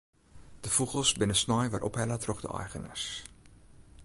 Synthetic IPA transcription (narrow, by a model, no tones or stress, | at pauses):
d̥əfuχəlˠsbɪnəsnɔjʋarʔɔ̰pɦɛlətrɔχdə̰ʔɑ̰jχənə̰s